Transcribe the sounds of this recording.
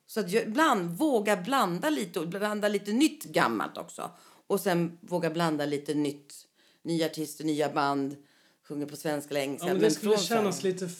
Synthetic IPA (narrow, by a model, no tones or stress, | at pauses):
sɔat̪jɑɡɪbland̪voːɡaɾbland̪aliːt̪əand̪aliːt̪ənʏt̪ːɡa̰mːa̰lt̪ʰɔ̰ksɔ̰ | ɔsɛnvoːɡaɾbland̪aliːt̪ənʏt̪ː | nyːaaʈʰɪst̪əɳyːaband̪ | ɧɵŋːəɾpʰɔsvɛnskalɛŋːəsaɛnfɾənɛnːasliːt̪ə